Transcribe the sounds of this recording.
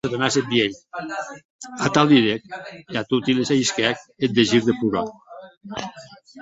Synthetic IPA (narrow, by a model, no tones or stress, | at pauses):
eðonaset̪̚b̪ieʎ | at̪alˠd̪iɾekeat̪ut̪ilezaiskɛk̚et̪̚d̪eʒiɾðepuɾa